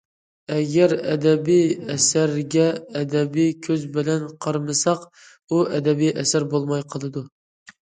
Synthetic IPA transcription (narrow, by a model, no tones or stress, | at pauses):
ɛɡʲɛɾɛ̰d̪ɛbijɛsæɾɡʲɛːd̪ɛbijkʲʰøzbɪlɛnqʰɑɾmɨsɑq | uʔɛd̪ɛbijʔɛsæɾbolˠmɑjqʰəlˠɨd̪u